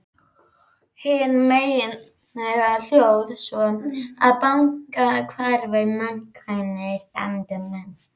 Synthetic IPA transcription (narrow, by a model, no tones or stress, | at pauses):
hɪnmeːjɪn | nɛɣal̥jowðsvɔa̰ðpawŋkakʰvaɾvɪmankʰajnɪst̪a̰nt̪ɪmɛn